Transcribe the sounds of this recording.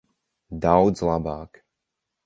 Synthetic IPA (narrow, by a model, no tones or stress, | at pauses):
d̪awzlabaːk